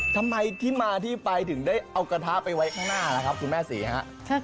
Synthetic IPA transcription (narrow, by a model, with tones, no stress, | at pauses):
t̪ʰa˧mːa˧jt̪ʰiː˥˩maː˧t̪ʰiː˥˩pa˧jt̪ʰɯ˨˩˦ŋdaː˥˩jʔa˧wka˧t̪ʰa˦˥pa˧jwa˦˥jkʰaː˥˩ŋnaː˥˩la˦˩kʰa˦˥p̚kʰu˧nmɛː˥˩sḭː˩˦ɦa̰˦˥ʔʰ